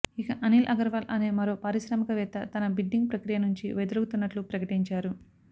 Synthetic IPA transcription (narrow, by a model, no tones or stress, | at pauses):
ikɐʔɐnilʔɐɡɐɾʋɐːlʔɐne̞ːmɐɾo̞ːpaːɾiʃɾɐmikɐʋɛt̪ːɐt̪ɐnɐbiɖːiŋɡ̚pɾɐkɾijɐnuɲt͡ʃḭʋɛd̪ɐlɐɡut̪unːɐʈlupɾɐkɐʈiɲt͡ʃaːɾu